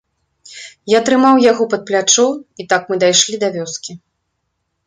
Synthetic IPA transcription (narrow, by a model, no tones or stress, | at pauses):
jat̪ɾɨmawjaɣɔpɐt̪̚plʲat͡ʂɔwit̪akmɨd̪ajʂlʲid̪ɐvʲɔskʲi